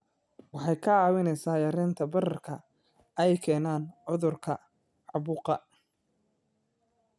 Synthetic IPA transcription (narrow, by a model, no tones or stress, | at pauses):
wɑħɑjkʰɐʕɑːwɪnɛjsaːjɐɾɪnt̪ʰɐbɐrɐrkʰɐ | ɛjkʰɛːnaːnʕʊðʊrkʰɐ | ʕɑβʊqɑ